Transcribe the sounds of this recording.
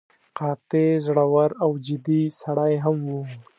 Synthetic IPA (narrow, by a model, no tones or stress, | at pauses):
qɑt̪ezɽawaɾawd͡ʒɪd̪isaɽajɦamwu